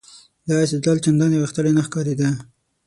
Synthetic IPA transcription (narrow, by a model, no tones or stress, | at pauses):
d̪ɑɪst̪ed͡ʒlɑlt͡ʃand̪ɑnjeɣəxt̪əɽenaxkɑɾed̪a